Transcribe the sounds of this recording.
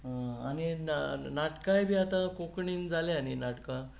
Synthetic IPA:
ɦə̃a̰ninnaʈkajbʱiːat̪ãkokɳiːnd͡zaleaninaʈkã

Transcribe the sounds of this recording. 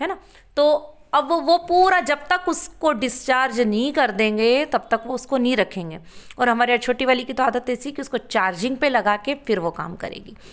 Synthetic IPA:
ɦɛːna | t̪oːɐbʋoʋopuːɾad͡ʒɐb̚t̪ɐkʊskoɖɪst͡ʃaːɾd͡ʒnɐɦĩkɐɾd̪ẽːŋɡet̪ɐb̚t̪ɐkʋoʊskonɐɦĩɾɐkʰẽːŋɡeːɔːɾɦɐmaːɾiɐt͡ʃʰoːʈiʋaːlikit̪oaːd̪ət̪ɛːsikiʊskot͡ʃaːɾd͡ʒɪ̃ŋɡ̚pelɐɡaːkefɪɾʋoka̰ːmkɐ̰ɾḛːɡiː

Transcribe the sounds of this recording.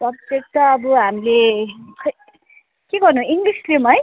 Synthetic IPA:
ʌb̚d͡zek̚t̪ʌːbʌɦamileʌ | keɡʌrnũiŋɡlislemʌj

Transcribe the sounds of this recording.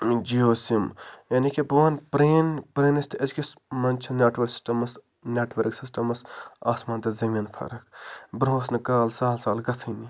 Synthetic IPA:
d͡ʒioːsimjɐnikʰebʋaːnpɾeːnpɾeːnist̪ʰɐzkʲismɐnt͡ʃʰɐneːʈʋɐɾksi̥sʈɐmɐs | nʲeːʈʋɐɾksisʈɐmɐsaːsmãːnt̪ɐzɐminfʰɐ̰ɾɐkʰbɾoːsnikaːlsaːlsaːlɡɐt͡sʰini

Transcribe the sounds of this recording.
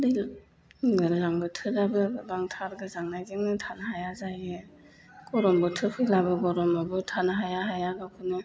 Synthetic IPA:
dɯj | zaŋbɯtʰɯɾabɯbaŋtʰaɾɡɯzaŋnajɡeŋnɯtʰanaɦajazaje | ɡ̥ɔɾɔmbɔtʰɯkʰɯjlabɯɡɔɾɔmabɯtʰanaɦajaɦajaɡakʰɯnɯ

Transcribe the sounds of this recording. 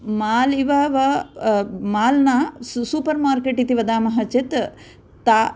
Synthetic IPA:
maːliʋɐʋɐ | maːlnasuːpɐɾmaːɾkeʈit̪iʋɐd̪aːmɐɦɐt͡ʃet̪ | t̪aː

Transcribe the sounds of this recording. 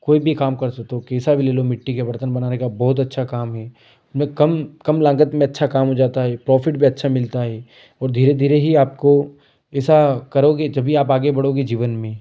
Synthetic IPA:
koːibʱikaːmkɐɾsɐk̚t̪okeːsabʱileːlomɪʈːikeʋɐɾt̪ənbɐnaːnekabɔːʊt̪̬ɐtːʃʰakaːmɦɛː | ʊsmẽkɐmkɐmlãːŋɡət̪mẽɐtːʃʰakaːmɦod͡ʒaːt̪aɦɛpɾɔːfɪʈbʱiɐtːʃʰamɪlt̪aɦɛː | ɔːɾd̪ʱiːɾed̪ʱiːɾeɦiaːp̚ko | ɛːsakɐɾoːɡed͡ʒɐbʱiaːpaːɡebɐɽ̤oːɡed͡ʒiːʋənmẽː

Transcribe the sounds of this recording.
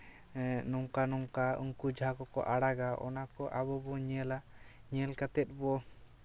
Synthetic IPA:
nɔŋkanɔŋkaṵŋkud͡ʒʱakɔkɔ̰ʔaɽaɡaʔɔ̰nakɔʔaβɔbɔɲɛlaɲɛlkat̪ɛt̪̚bɔ

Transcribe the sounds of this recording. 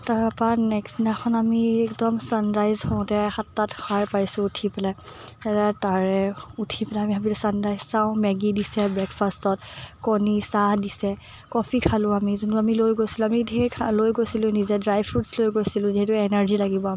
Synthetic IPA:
taɹpanɛksinaxʰɔnamiɛkdɔmsanɹajzhɔ̃ʊ̃tɛxatːatxʰajpaɹisʊ̃utʰipɛlaatataɹɛutʰipɛlɛamiɦabitsanɹajzsaʊ̃mɛɡidisɛbɹɛkfʰastɔt̚kɔnisahdisɛ | kɔfʰikʰalʊ̃amizunuamilojɡojsilʊ̃amidʱeɹkʰalojɡojsilʊ̃nizɛdɹajbɹutslojɡojsilʊ̃ziɦɛtʊɛnaɹzilaɡibɔam

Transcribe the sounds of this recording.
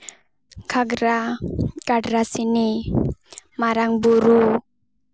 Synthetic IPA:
kʰaɡɾakaɖɾasini | maɾaŋbuɾu

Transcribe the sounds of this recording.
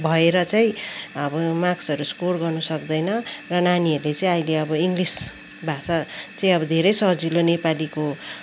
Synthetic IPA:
bʱʌeɾʌt͡sʌĩʌbʌmaksʌɾuskorɡʌrnʌsʌkd̪ʌjnʌrʌnaniʌɾulet͡sʌĩʌjleʌbʌiŋɡlis | bʱasat͡saĩʌbʌd̪ʱeɾʌjsʌɦd͡zilonepaliko

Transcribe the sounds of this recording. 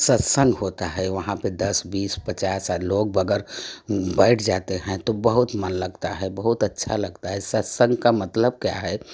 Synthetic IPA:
sət̪sə̃ŋɡɦot̪aɦɛʋəɦãped̪əsbiːspət͡ʃasalok̚bəɡəɾbəɪʈʰd͡ʒat̪eɦɛ̃t̪obəɦut̪mənləɡt̪aɦɛbəɦut̪ətːʃʰa̰ləɡt̪aɦɛsət̪sə̃ŋɡkamət̪ləb̚kja̰ɦɛ

